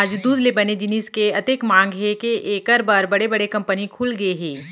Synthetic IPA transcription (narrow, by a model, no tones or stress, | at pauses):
aːd͡ʒd̪uːd̪lebɐned͡ʒɪniːskeɐt̪eːkmãːŋɡɦekeʔeːkəɾbaɾbɐɽebɐɽekɐ̃mpənikʰuːlɡɐeɦɛ̃ː